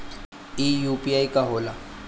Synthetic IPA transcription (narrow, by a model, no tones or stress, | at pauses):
ijupʼiaikʼaɦʊːla